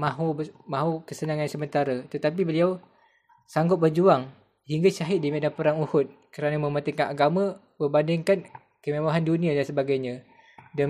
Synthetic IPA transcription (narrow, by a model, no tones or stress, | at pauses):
mãɦumãɦukəsənaŋansəmənt̪aɾat̪ət̪ap̬ibəliaw | saŋɡʊt̚bərd͡ʒuaŋ | hiŋɡat͡ʃaɦɪt̪̚dimedapəɾaŋuhʊt̪̚kəɾanəmə̃mat̪iŋkanaɡamə̃ | məbandɪŋkan | kəmemaɦandunĩadansəbaɡajɲã | da